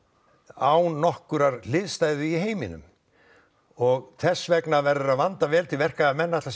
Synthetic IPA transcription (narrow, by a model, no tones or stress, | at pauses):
aːwnnɔhkʏɾaɾlɪðst̪aːjðɪiɦeːjmɪnʏ̰m | ɔɣθɛsːvɛknavɛɾʏɾaðvant̪avɛːlt̪ʰɪlvɛr̥kaamɛnːat̪las